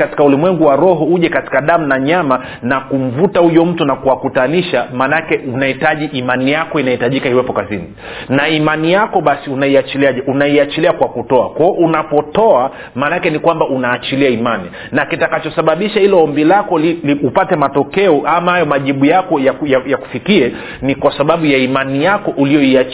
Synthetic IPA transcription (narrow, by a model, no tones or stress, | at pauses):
kati̥kaulimwɛŋɡuwaɾɔɦɔuʄɛkati̥kaɗam̩naɲama | nakum̩vutahujɔm̩tunakuwakutaniʃamaːnakɛunahitaʄiʔimanijakɔinahitaʄikahiwɛpɔkazini | naimanijakɔɓasiunaiat͡ʃiliaʄɛʔunaiat͡ʃiliakwakutɔa̰kɔɔʔunapɔtɔa | maːnakɛnikwambaʔunaːt͡ʃiliaimani | nakitakat͡ʃɔsaɓaɓiʃahilɔɔmbilakɔliliupatɛmatɔkɛɔʔamahajɔmaʄiɓujakɔjajajaku̥fikiɛ | nikwasaɓaɓujaimanijakɔʔuliɔia